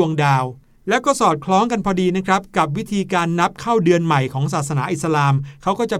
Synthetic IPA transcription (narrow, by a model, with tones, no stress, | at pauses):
u˧əŋdaː˧w | lɛː˦˥wkɔː˥˩sɔː˨˩t̪̚kʰlɔː˦˥ŋka˧npʰɔː˧diː˧na˦˥kʰɾa˦˥p̚ka˨˩p̚wi˦˥t̪ʰiː˧kaː˧nːa˦˥p̚kʰaː˥˩wdɯ˧ənma˨˩jkʰɔː˩˦ŋsaː˨˩t̪̚sa˧naː˩˦ʔi˨˩sa˧laː˧mkʰa˦˥wkɔː˥˩t͡ɕa˨˩